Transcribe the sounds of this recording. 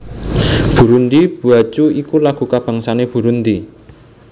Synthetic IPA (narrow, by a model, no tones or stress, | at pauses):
b̥ṳɾund̪ib̥ṳat͡ʃuikulaɡ̥ṳkab̥a̤ŋsaneb̥ṳɾund̪i